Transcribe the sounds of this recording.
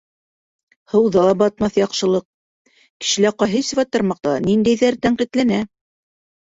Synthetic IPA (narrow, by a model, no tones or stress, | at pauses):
hɤ̆wðɑbɑt̪̚mɑθjɑqʃɤ̆lˠɤq̚ | kɘ̥̆ʃɘ̆læqɑjɦɘsvɑt̪ːɑ̆ɾmɑq̚t̪ɑnind̪æjðæɾt̪æɴqit̪lænæ